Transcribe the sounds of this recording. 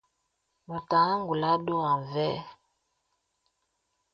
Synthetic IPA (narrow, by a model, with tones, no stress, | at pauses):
mɔ˨ta˨˦ŋɡu˨la˦ɗo˦a˨vɛ˦